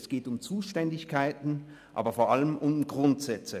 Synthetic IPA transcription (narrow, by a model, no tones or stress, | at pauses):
sɡ̥eːtʊmt͡suːʃtɛndɪçkʰaɪtn̩ | ʔa̰ːbɐfoːɐʔaləmʔʊmɡʁʊntz̥ɛt͡sə